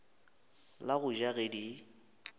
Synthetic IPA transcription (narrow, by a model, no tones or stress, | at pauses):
laɣʊʒaɣedi